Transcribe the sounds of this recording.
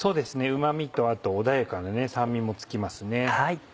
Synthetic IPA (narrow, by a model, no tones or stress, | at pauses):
so̞ːd̪e̞sɨne̞ɯ̟mamʲit̪o̞at̪o̞ːd̪ajakanane̞sãmːʲimːo̞t͡sɨ̥kʲimasɨne̞hai